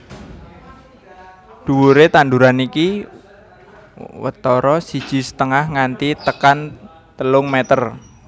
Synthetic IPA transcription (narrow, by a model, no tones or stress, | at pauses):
d̪̥uwuɾet̪anduɾaniki | wə̰t̪ɔɾɔsid̥ʒ̥i̤sə̥t̪əŋahŋant̪it̪əkan | t̪əlʊŋmet̪ər